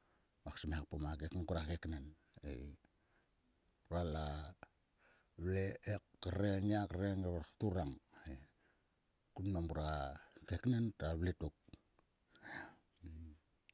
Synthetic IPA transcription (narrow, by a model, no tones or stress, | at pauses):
maksimeak̚pomakekaŋɡuɾakeknan | ḛj | uɾala | βleekːaɾeniakaɾeŋβaktuɾaŋe | kunmambuɾakeknantaβletuk̚